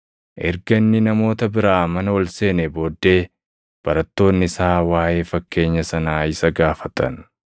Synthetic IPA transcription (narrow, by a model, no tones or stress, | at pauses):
ʔɛɾɡɐnːɪnɐmo̞ːt̪ɐbɪɾaːmɐnɐwɔlse̞ːnebo̞ːd̪ːe̞ː | b̥ɐɾɐt̪ːo̞ːnːɪsaːwaːje̞ːfɐkːe̞ːɲːɐsɐnaːɪsɐɡaːfɐt̪ɐ̰n